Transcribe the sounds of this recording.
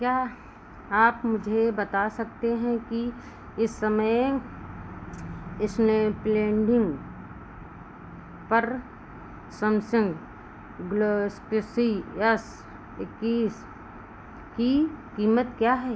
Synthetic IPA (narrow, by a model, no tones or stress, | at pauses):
kjaː | aːpmʊd͡ʒʱebɐt̪asɐk̚t̪eɦɛ̃ki | ɪsːəməj | ɪsnepleːɳɖɪ̃ŋɡ | pɐɾ | səmsɪ̃ŋɡ | ɡlosksiɛs | ɪkːiːs | kikiːmət̪kjaːɦɛː